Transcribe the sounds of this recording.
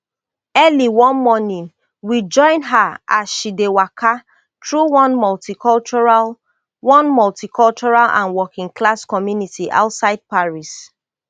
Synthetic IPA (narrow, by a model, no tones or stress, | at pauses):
ɛliwɔ̃nmɔnĩn | wid͡ʒɔ̃ɪ̃nɦaasʃidewakʰa | tɹuwɔ̃nmɔltikɔlt͡ʃɔɹa | wɔ̃nmɔltikʰɔlt͡ʃɔɹalã̰nwɔkĩŋkʰlaskɔmjunitiʔa̰ʊtsaɪd̚paɹis